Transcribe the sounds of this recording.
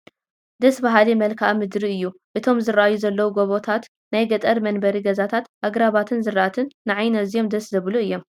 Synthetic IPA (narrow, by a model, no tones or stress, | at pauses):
d̪ɐsbaɦalimɐlkʰaʔamɨd̪ɾiɨjːuʔɨt̪ʰo̞mzɨɾaʔajuzɐlːɐwuɡoβot̪ʰat̪ | najɡɐt̪ʼɐɾmɐnbɐɾiɡɐzat̪ʰat̪ʔaɡɾaβat̪ʰɨnzɨraat̪ʰɨnːɨʕajnɐzijo̞md̪ɐszɐβluɨjːo̞m